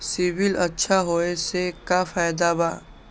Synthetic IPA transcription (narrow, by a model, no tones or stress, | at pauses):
sɪbɪlɐtːʃʰaɦoːesekafaːjd̪abaː